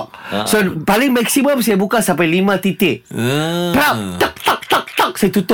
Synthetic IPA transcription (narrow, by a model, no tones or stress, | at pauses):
k̚sopalɪŋmɛksiməmsajabukasampajlimãt̪it̪e | pɾap̚t̪ak̚t̪ak̚t̪ak̚t̪ak̚sajat̪ut̪ʊ